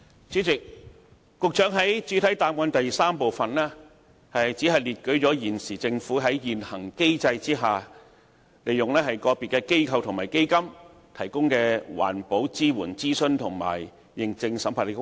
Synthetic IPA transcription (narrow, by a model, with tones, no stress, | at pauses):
t͡syː˨˥t͡sɪ˨k̚ː | ʊ˨˧k̚t͡ʃœː˨˥ŋɦɐ˨˥jt͡syː˨˥t̪ʰɐ˨˥jt̪aː˨mwɐ˨˧nt̪ɐ˨jsaː˥mpo˨wfɐ˨nlɛː˥ | hɐ˨jjt͡si˨˥ɦɐ˨jliː˨˩t̚kɵ˨˥ɥt͡ʃɔː˨˥jiː˨˩nsiː˨˩t͡sɪ˧ŋfuː˨˥ɦɐ˨˥jjiː˨nhɐ˨˩ŋke˥jt͡sɐ˧jt͡siː˥ɦaː˨ | le˨jːʊ˨ŋlɛː˥hɐ˨jkɔː˧piː˨t̚kːɛː˧ke˥jkʰɐ˧wt̪ʰʊ˨˩ŋmaː˨˩jke˥jkɐ˥m | t̪ʰɐ˨˩jkʊ˥ŋkɛː˧wa̰ː˨˩npo˨˥wt͡siː˥wuː˨˩nt͡siː˥sɵ˥˧nt̪ʰʊ˨˩ŋma̰ː˨˩j | jɪ˨ŋt͡sɪ˧ŋsɐ˨˥mpʰaː˨˩le˨˩˥